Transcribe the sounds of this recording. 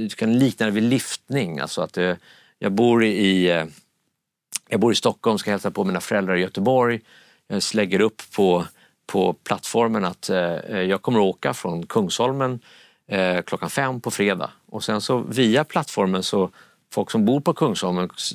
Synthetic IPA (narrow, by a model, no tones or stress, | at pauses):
kʰanliːk̚nand̪əvɪlɪft̪nɪŋa̰lsɔat̪̚d̪ɛ | jɑ̰ːɡ̚buːɾɪ | jɑɡbuːɾɪst̪ɔkːɔlmskahɛlsapʰɔmiːnafœɾɛld̪ɾaɾɪjœt̪əbɔɾj | jɑːslɛɡːəɾɵpːʰɔ | pʰɔpʰlat̪ːfɔɾmənat̪jɑːɡ̚kʰɔmːəɾɔoːkafɾɔnkʰɵŋshɔlmən | kʰlɔkːanfɛmːpʰɔfɾeːd̪a̰ː | ɔsɛnsɔviːapʰlat̪ːfɔɾmənsɔ | fɔlksɔmbuːɾpʰɔkʰɵŋshɔlmən